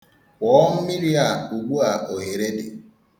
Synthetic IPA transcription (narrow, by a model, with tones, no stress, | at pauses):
wɔː˨˦m̩˦mi˦ɾi˦a˨u˨ɡ͡bu˦a˨ʔo˨ɦe˨ɾe˦dḛ˨